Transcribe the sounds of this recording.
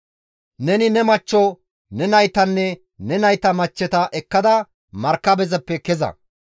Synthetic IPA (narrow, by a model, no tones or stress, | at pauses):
nɛnɪnɛmɐt͡ʃːɔ | nɛnɐjt̪ɐnːɛ | nɛnɐjt̪ɐmɐt͡ʃːɛt̪ɐʔɛkːɐd̪ɐ | mɐɾkːɐbɛzɐpːɛkɛzɐ̰